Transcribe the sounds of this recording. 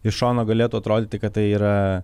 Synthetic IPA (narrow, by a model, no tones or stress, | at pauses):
ɪʃʃoːnoːɡɐlʲeːt̪uːɐt̪ɾoːd̪ʲeːt̪ʲɪkɐt̪̚t̪ɐɪiːɾɐ